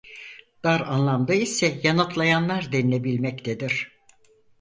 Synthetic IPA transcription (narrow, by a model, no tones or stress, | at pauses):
d̪̥aɾanlˠamd̪ɯisɛjanat̪lˠajanlˠaɾd̪ɛninebilʲmɛc̚t̪ʰed̪iɾ̝̥